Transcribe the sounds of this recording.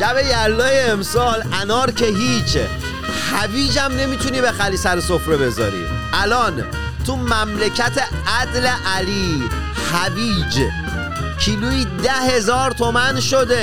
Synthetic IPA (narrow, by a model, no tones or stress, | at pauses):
ʃæbe̞jæɾlɒːjeːmsɒːlʔænɒːɾkʰeɦiːt͡ʃʰ | xæbiːd͡ʒæmne̞miːt̪ʰuniːbexæliːsæɾesofɾebe̞zɒ̰ːɾḭː | ʔælɒːn | t̪ʰumæmlecʰæt̪ʰe | æd̪leʔæliː | xæbiːd͡ʒ | cʰiːluiːd̪æhe̞zɒːɾt̪ʰomænʃod̪e